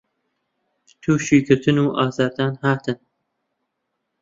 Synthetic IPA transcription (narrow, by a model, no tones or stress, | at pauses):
t̪ʰuːʃiːɡɨɾt̪ʰɨnuːʔɑːzaːɾd̪aːnhaːt̪ʰɨn